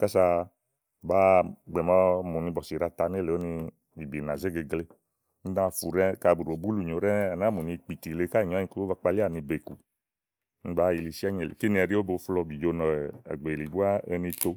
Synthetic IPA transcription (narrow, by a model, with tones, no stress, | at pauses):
ka˦sa˧˨ | ba˦ɡ͡bɛ˨mã˦mu˨nĩ˧bɔ˨si˨ɾa˧ta˧n˦e˦˨le˨o˦nĩ˧ | i˨bi˨nã˨ze˦ɡe˧ɡle˧ | ni˦dã˦˧˦fu˨ɾɛ˦ka˧˨bu˨ɾo˨bu˦lu˨ɲo˨˦ɾɛ˦a˨na˨˦mu˨nĩ˧˨k͡pi˨ti˨le˧˦ka˦˨ɲɔ̃˨˦ĩ˧˦ku˦o˦va˧k͡pa˧li˦a˦˨nĩ˧be˨ku˨˦ | nĩ˦ba˦i˨li˨si˦a˦ɲe˨lḛ˨ki˦nĩ˧ɛ˧˨ɾi˦o˦bo˧˦flɔ˧bi˨d͡ʒo˧˦nɔ˨ɛ̰˨ɡ͡be˨li˨bu˦a˦e˧nĩ˧t̪o˧